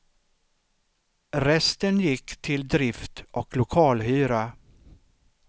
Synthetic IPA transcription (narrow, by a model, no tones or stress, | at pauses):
ɾɛst̪ənjɪkːt̪ʰɪld̪ɾɪft̪ʔɔklʊkʰɑːlɦyːɾa